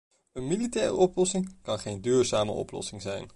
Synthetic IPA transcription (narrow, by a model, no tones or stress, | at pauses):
ənmilitɛːrə̰ʔɔplɔsɪŋkɑnχejndyːɹzaːmə̰ʔɔ̰plɔ̰sɪŋzɛ̰jn